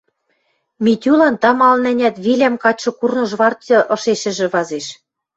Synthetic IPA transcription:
mit̪ʲylɑnt̪ɑmɑlnɘ̆nʲæt̪βilʲæmkɑt͡ɕːɤ̆kurnɤ̆ʒβɑrt̪ɤ̆ʔɤ̆ʃeʃɘ̆ʒɘ̆βɑzeʃ

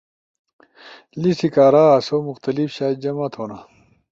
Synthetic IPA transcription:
lisikaːɾaːɐsomuxt̪ɐlifɕaːd͡ʑɐmɐt̪ʰoːna

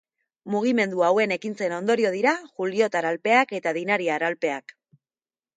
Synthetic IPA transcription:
muɣ̞ime̞nd̪uawe̞ne̞kint͡se̞no̞nd̪o̞ɾio̞ð̞iɾaʝulio̞t̪aɾalpe̞ake̞t̪aðinaɾiaːɾalpe̞ak

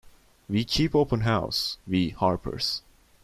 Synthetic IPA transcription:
wikʰipoʊpə̃nɦaʊswihɑɹpʰə̰˞s

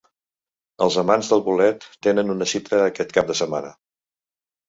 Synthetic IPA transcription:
əlˠzəmanzðəlˠβulɛt̪ːenənunəsit̪əːkɛt̪kap̚d̪əsəma̰nə

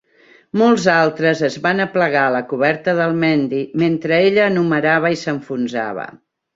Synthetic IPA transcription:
molˠzalˠt̪ɾəzəzβanəpləɣaələkuβɛɾt̪əðəlˠmɛnd̪iment̪ɾəeʎəːnuməɾaβ̞əisəɱfunza̰β̞ə̰

